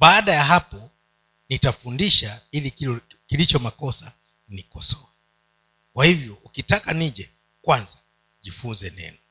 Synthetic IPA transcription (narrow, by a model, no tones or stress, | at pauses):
ɓaːɗajaɦapɔ | nitafundiʃailikilit͡ʃɔmakɔsa | nikɔsɔa | kwahivjɔʔukitakaniʄɛ | kwanza | ʄifunzɛnɛ̰nɔ